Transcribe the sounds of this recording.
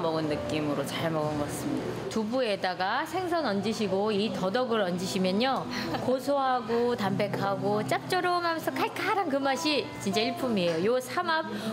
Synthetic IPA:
mʌɡɯnːɯk͈imɯɾot͡ɕaɭmʌɡɯnɡʌs͈ɯmɲida | tubue̞daɡasʰe̞ŋsʰʌnʌnd͡ʑiɕʰiɡoitʌdʌɡɯɾʌnd͡ʑiɕʰimjʌɲokosʰoɦaɡotambe̞kʰaɡot͡ɕ͈ap̚t͡ɕ͈ʌɾomɦamensʰʌkʰaɭkʰaaɾankɯmaɕʰit͡ɕint͡ɕ͈aiɭpʰumiejojosʰamap̚

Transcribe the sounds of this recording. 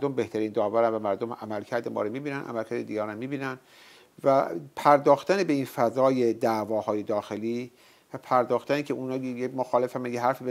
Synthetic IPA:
ɾd̪ombe̞ht̪ʰæɾiːnd̪ɒːvæɾænvæmæɾd̪omæmælcʰæɾd̪emɒ̰ːɾomiːbiːnænʔæ̰mælcʰæɾd̪ed̪iɡæɾnæmmiːbiːnæn | væpʰæɾd̪ɒːxt̪ænebe̞infæzɒːje̞d̪ævɒːhɒːje̞d̪ɒːxe̞liː | væpʰæɾd̪ɒːxt̪ænecʰe̞ʔuːnɒːjemoxɒːle̞fæmæjeɦæɾfiːbe

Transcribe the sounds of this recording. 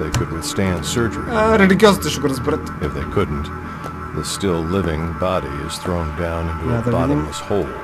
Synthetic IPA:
ðeɪkʰɨd̚wɨθstæ̃nd̥sɜ˞d͡ʒə̰˞iəɾɛdɪkjɔst̪əʃʊɡəɾəzbɾɪt̪ | ɨfðeɪkʰʊdⁿn̩t | ðəstɪlˠlɪvɪ̃ŋbɑɾḭɪ̰z̥θɹõʊ̃ndãʊ̃nɪ̃ntuðbɑəshoʊlˠ

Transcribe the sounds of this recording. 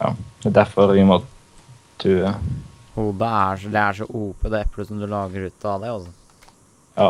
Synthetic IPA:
jɑ̰ɛd̪æɾfɔɾʋɪmɔ | t̪ʰːʉːə | huːd̪əæʂd̪ɛæʂɔʔuːpʰɔd̪ɛːɛpːləsɔmd̪ʉlɑːɡəɾʉːt̪ʰːɔɑd̪æɪɔsɔ | jɑː

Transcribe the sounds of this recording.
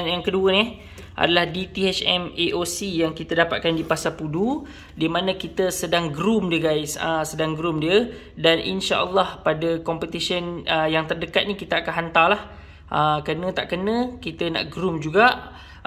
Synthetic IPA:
njaŋkəduənih | ʔa̰dalahdit̪iɛt͡ʃɛmeʔosijaŋkit̪ədapat̪̚kandipasapudu | dimanə̃kit̪əsədaŋɡɾumdiəɡajsəsədaŋɡɾumdiə | danʔḭnʃa̰ʔəlːɑhpadəkɔmpət̪isənəjaŋt̪ərdəkat̪̚nĩkit̪əakanɦant̪alah | ʔəkənə̃t̪aʔkənə̃kit̪əna̰ʔɡɾumd͡ʒuɡaʔ

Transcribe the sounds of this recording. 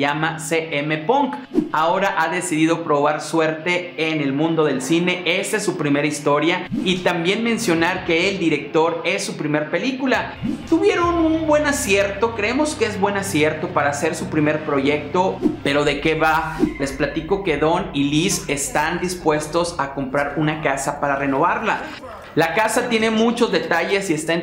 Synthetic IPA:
amaseʔeme̞poŋkao̞ɾaʔaðe̞siðið̞o̞pɾo̞β̞aɾswe̞ɾt̪e̞ːnelmũnd̪o̞ð̞e̞lsine̞e̞saesːupɾime̞ɾaist̪o̞ɾjait̪ambje̞nmẽ̞nsjo̞naɾke̞ːld̪iɾe̞k̚t̪o̞ɾe̞sːupɾime̞ɾpe̞likula | t̪uβje̞ɾo̞nunbwe̞nasje̞ɾt̪o̞kɾe̞emo̞skeezβwe̞nasje̞ɾt̪o̞paɾaːse̞ɾsupɾime̞ɾpɾo̞ʝe̞k̚t̪o̞pe̞ɾo̞ðe̞ke̞βale̞splat̪iko̞ke̞ðo̞nilise̞st̪and̪ispwe̞st̪o̞sako̞mpɾaɾunakasapaɾare̞no̞β̞aɾla | lakasat̪je̞ne̞mut͡ʃo̞zðet̪aʝe̞sie̞st̪an

